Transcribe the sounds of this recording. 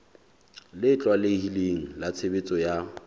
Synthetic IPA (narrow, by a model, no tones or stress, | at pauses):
lɪt͡ɬʼwalɪhileŋ̩lat͡sʰebɪt͡sʼɔja